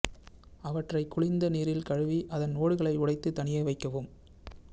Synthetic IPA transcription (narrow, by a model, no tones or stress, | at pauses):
ɐʋɐʈrɐɪkːʊɭɪnd̪ɐniːɾɪlkɐɻɯʋiʔɐðɐnoːɽɯɣɐɭɐɪʊɽɐɪt̪ːɯt̪ɐɳɪjɐɪʋɐɪkːɐʋɯm